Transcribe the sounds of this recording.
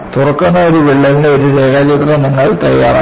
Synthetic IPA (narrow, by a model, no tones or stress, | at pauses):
t̪urɐkːunːɐoɾuʋiɭːɐɾieoɾuɾeːɣaːd͡ʑik̪rɐniŋːɐɭt̪ɐjːa̰ːra̰ː